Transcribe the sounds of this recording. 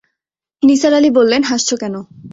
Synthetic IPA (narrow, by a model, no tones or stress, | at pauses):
nisaɾalibolːenɦaʃt͡ɕʰokɛno